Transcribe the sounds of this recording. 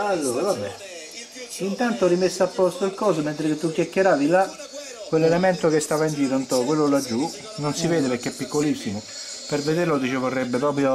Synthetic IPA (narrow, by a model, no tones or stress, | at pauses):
alːoːɾavabːɛ | int̪ant̪orimesːapːɔst̪oilkɔːs̬əment̪ɾeket̪ːukjakːeɾaːvila | kːwelːelemɛnt̪okest̪aːvaind͡ʒiːɾount̪ɔkwelːolad͡ʒːu | nonsivɛːd̪epeɾk̟ːeɛpːikːolisːimʊ | peɾved̪eɾlod̪it͡ʃevorːɛbːepɾɔːp̬ɾjo